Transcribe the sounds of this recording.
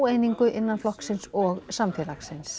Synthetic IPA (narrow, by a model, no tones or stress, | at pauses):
wejniŋkʏʔɪnːanflɔhksɪnsɔɣsamfɛɾlaksɪns